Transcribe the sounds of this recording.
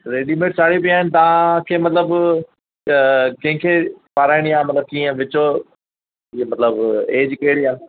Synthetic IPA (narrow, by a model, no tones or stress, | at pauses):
ɾeːɗimeːʈ̚t͡ɕʰaːɽip̬ijaːɦɪnɪ̆t̪ɐʋãkʰeːmɐt̪ləb | kɐ̃ɦɪ̃kʰepaɾaːɪɽ̃iamɐt̪ləb̚kiːə̃ʋɪt͡ɕo | iemɐt̪ləbeːd͡ʑkeɽiaːn